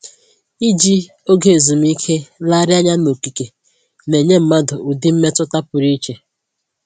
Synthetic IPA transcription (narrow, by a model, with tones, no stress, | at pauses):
i˦d͡ʒi˦ | o˦ɡe˨zu˨m̩˦i˦kʰe˦la˦ɾja˦ɲa˦no˨ki˨ke˨ | ne˨ɲe˦m̩˨ma˦dʊ˨u˨dɪ˦m̩˦me˦tʊ˦ta˦pʊ˨ɾi˦t͡ʃe˨